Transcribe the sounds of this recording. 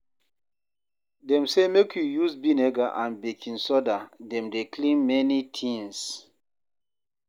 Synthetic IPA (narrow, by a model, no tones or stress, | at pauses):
dɛ̃msemekjujusbinɛɡaʔãnbekʰĩnsɔdadɛ̃mdeklĩmmɛnitʰĩŋs